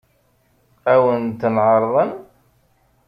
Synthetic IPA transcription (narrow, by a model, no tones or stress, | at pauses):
æwənt̪nʕəɾˤðˤən